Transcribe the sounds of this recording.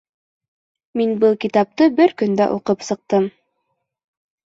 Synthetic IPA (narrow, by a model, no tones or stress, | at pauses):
minbɤlˠkit̪ɑp̚t̪ɤbɘɾkɵ̆nd̪æ̰ʔuqɤpsɤ̆q̚t̪ɤm